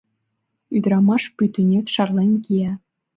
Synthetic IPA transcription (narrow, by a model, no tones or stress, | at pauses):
yd̪ɾɑmɑʃpyt̪ɘ̆nʲet̪ʃɑrlenʲkiæ